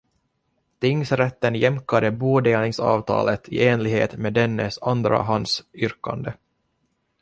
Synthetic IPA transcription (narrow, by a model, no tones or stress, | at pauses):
t̪ɪŋːsɾɛt̪ːənjɛmkad̪əbuːd̪eːlɪŋsɑ̰ːvt̪ʰɑ̰ːlət̪ʰɪʔeːnlɪɡhḛːt̪meːd̪ɛnːəsand̪ɾa̰ɦand̪sʏɾka̰nd̪ə